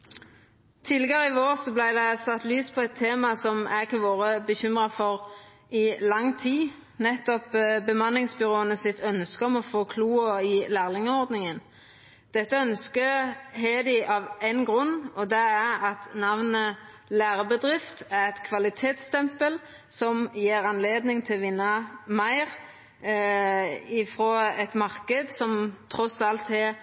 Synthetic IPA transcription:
t̪ʰɪlɛɡəʁɪʋoːʁsɔblæɪd̪ɛsɑt̪ːlyːspʰɔɛt̪ʰːeːmɑsɔmʔækɑʋoːʁəbəçʏmʁɑfɔʁ | ɪlɑŋːt̪ʰiː | nɛt̪ːɔpbəmɑnːɪŋsbʏʁoːənəsɪt̪ʰœnskəɔmɔfoːkʰluːəɪlæːʁlɪŋəɔʁd̪nɪŋən | d̪̥ɛt̪ːəœnskəɦeːd̪ɪʔɑʋæɪnɡʁʉnːɔd̪ɛæʁɑt̪nɑʋnə | læːʁəbəd̪ʁɪft̪æʁɛt̪kʰʋɑlɪt̪ʰeːt̪st̪ʰɛmpəl | sɔmjeːɾɑnleːd̪nɪŋt̪ʰɪlʋɪnːɑmæɪʁ | ɪfʁoːɛt̪mɑʁkəd̪sɔmt̪ʰʁɔsɑlt̪ɛ

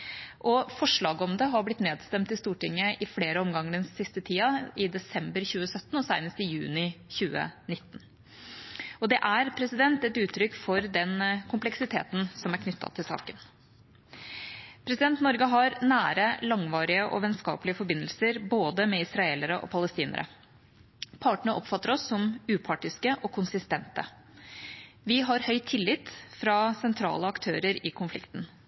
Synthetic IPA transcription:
ʔɔfɔʂɭɑːɡɔmd̪əɦɑɾblɪt̪neːd̪st̪ɛmt̪ɪst̪uːʈɪŋːəʔɪfleːɾəɔmɡɑŋːəɖɛnssɪst̪ət̪ʰiːɑɪd̪ɛsɛmbəɾçʉːəsœt̪ːn̩ɔsæɪnəst̪ɪjʉːnɪçʉːə̰nɪt̪ːn̩ | ɔd̪ɛʔæɾpʰɾɛsɪd̪ɛnt̪ɛt̪ʉːt̪ʰːɾʏkfɔɾd̪ɛnkʰʊmplɛksɪt̪ʰḛːt̪n̩sɔmæɾkʰnʏt̪ʰːɑ̰t̪ʰɪlsɑ̰ːkən | pʰɾɛsɪd̪ɛnt̪nɔɾɡəɦɑɾnæːɾəlɑŋʋɑːɾɪəʔɔ̰ʋɛnskɑ̰ːpəlɪəfɔɾbɪnːəlsəɾboːd̪əmɛɪsɾɑeːləɾəʔɔ̰pʰɑləst̪iːnə̰ɾʔə̰ | pʰɑːʈɳəəʔɔpfɑt̪ːəɾɔsːɔmʉːpʰɑːʈɪskəʔɔkʰʊnsɪst̪ɛnt̪ə̰ | ʋɪɦɑɾhœʏt̪ʰːɪlːɪt̪fɾɑsɛnt̪ʰɾɑ̰ːləɑkt̪ʰøːɾəɾɪkʰʊnflɪ̰kt̪ən

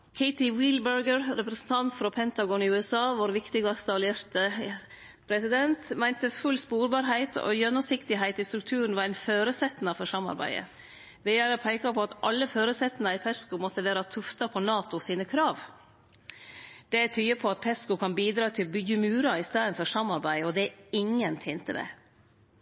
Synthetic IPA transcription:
kʰæɪt̪ɪwɪlbəɾɡəɾɾɛpɾəsn̩t̪ʰɑnt̪fɾɔpʰɛnt̪ɑɡɔnɪʉːɛsɑːʋɔɾʋɪkt̪ɪɡɑst̪ɑleːɾt̪ə | pʰɾɛsɪd̪ɛnt̪mæɪnt̪əfʉlspuːɾbɑːɾɦæɪt̪ʰo̰ːjœnːɔsɪkt̪ɪɦæɪt̪ɪst̪ɾʉk̚t̪ʰʉːɾn̩ʋɑɾæɪnføːɾəsɛt̪ːnɑfɔʂɑmɑ̰ɾbæ̰ɪd̪ə̰ | ʋɛjæɾəpʰæɪkɑpʰɔɑt̪ʔɑlːəføːɾəsɛt̪ːn̩ɑɪpʰɛskʊmɔt̪ːəʋæːɾɑt̪ʰʉft̪ɑpʰɔnɑːt̪ʊsiːnəkʰɾɑːʋ | d̪̥ɛt̪ʰyːəpʰɔɑt̪̚pʰɛskʊkʰɑnbiːd̪ɾɑːt̪ʰɪlbʏjʉmʉːɾɑɪst̪ɑːənfɔʂɑmɑɾbæɪɔd̪ɛɪŋːənt̪ʰɪnt̪əmɛ̰

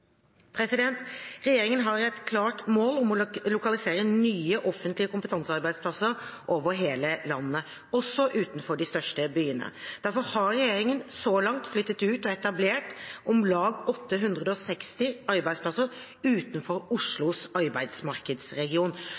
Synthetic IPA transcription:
pʰɾɛsɪd̪ɛnt̪ɾɛjeːɾɪŋənɦɑɾɛt̪kʰlɑːʈmoːlɔmɔlʊkɑlɪseːɾənyːəʔɔfənt̪lɪəkʊmpət̪ʰɑnsəɑɾbæɪd̪spʰlɑsəɾʔoːʋəɾɦeːləlɑnːə | ɔsːɔʔʉːt̪n̩fɔɖɪst̪œʂʈəbyːənə̰d̪̥æɾfɔɾhɑɾɾɛjeːɾɪŋənsɔlɑŋt̪flʏt̪ːət̪ʉːt̪ɔɛt̪ɑbleːʈɔmlɑːɡɔt̪ʰːəɦʉnd̪ɾəd̪əɔsɛkst̪ɪʔɑɾbæɪspʰlɑsəɾ | ʉːt̪n̩fɔɾʊʂɭʊsɑɾbæɪd̪smɑɾkəd̪sɾɛɡɪuːn

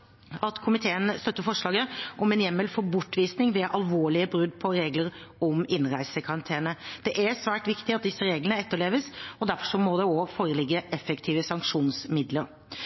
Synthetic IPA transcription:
ɑt̪kʰʊmɪt̪ʰeːənst̪œt̪ːəfɔʂɭɑːɡəʔɔmɛnjɛmːəlfɔbʊʈːʋiːsnɪŋʋɛʔɑlʋoːɭɪəbɾʉd̪ːpʰɔɾeːɡləɾ | ɔmɪnɾæɪsəkʰɑɾɑnt̪ʰeːnəd̪̥ɛʔæɾsʋæːʈʋɪkt̪ɪɑt̪̚d̪ɪsːəɾeːɡlənəɛt̪ːəɭeːʋəsɔd̪æɾfɔʂɔmɔd̪ɛɔfoːɾəlɪɡːəʔɛfəkt̪ʰiːʋəsɑŋkʂuːnsmɪd̪ləɾ

